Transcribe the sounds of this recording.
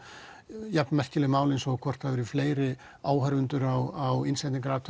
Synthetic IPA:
japnmɛr̥cɪlɪmaːwlɪnsɔkʰɔr̥t̪havɪɾɪfleːjɾɪ | aːwɦaɾvʏnt̪ʏɾawawɪnsɛjt̪niŋkaɾaːt̪

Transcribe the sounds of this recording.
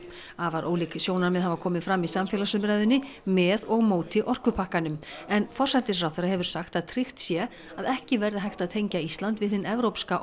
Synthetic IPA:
avaɾʔo̰ːwliksjoːwnaɾmɛðɦavakʰɔːmɪnfɾamːisamfjɛlasʏmɾajðʏnːɪ | mɛðɔɣmoːwt̪ɪʔɔr̥kʏpʰahkanʏmɛnfɔr̥sat̪ɪsrawfθeɾahɦɛvʏɾ̥saxt̪aðt̪ʰɾɪxt̪sjɛ | aðɛhcɪvɛɾðɪɦajht̪aðt̪ʰejɲcaist̪lant̪vɪðθɪnɛvɾowpskaʔ

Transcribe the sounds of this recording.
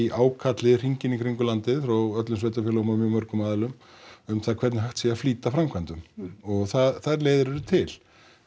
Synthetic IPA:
iʔaːwkʰat̪lɪr̥iɲcɪnikʰɾiŋkʏlant̪ɪðfɾawœt̪lʏnsveːt̪afjɪːlɣmamjʏmœɾkʏmaːðɛlʏm | ʏmθaðkʰvɛɾt̪nɪɦaht̪siafliːt̪afɾamkʰvant̪ʏmɔɣθaðθaðɾleːjðɪɾɛɾʏt̪ʰɪl̥

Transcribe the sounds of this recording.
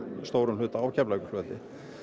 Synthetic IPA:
st̪owɾʏmlʏːt̪aaːwcʰaplaːjkʏ̥lvœt̪ɪ̰

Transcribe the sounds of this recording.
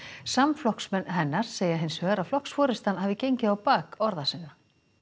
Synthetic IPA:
samflɔhksmɛnɦɛnːaɾ̥seːjaɦɪnshœːɣɾaflɔhksfɔːɾɪst̪anhaːvɪcejɲcɪawpaːkɔɾðasɪnːa

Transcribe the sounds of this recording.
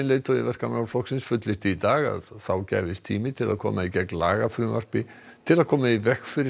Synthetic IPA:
nleːjt̪ɔðɪvɛr̥kamawfɔksɪnsfʏt̪lɪht̪ɪit̪aːɣa̰ðθawcɛ̰ːjvɪst̪ʰiːmɪt̪ʰɪla̰ðkʰɔ̰ːmaicɛknla̰ːɣafɾʏːmar̥pɪ | t̪ʰɪlaðkʰɔːmaivɛhkfɪɾɪ

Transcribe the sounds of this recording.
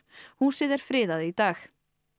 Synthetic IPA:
hunsɪðɛɾ̥fɾɪːðaðɪit̪aːx

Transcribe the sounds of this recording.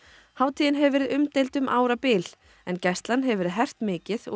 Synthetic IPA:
haːwt̪ʰijɪnɦɛvɛːɾɪðʏmt̪ejlt̪ʏmʔaːwɾapɪːl | ɛncɛst̪lanɦɛvɛːɾɪðɦɛr̥t̪mɪːcɪðɔ̰

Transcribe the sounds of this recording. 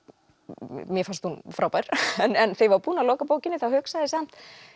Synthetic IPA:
mjɛfanst̪hunfɾawpajɾ̥ɛnɛnθejvaɾpuːnalɔːkapoːwcɪnːɪθahʏksaðɪsam̥t̪

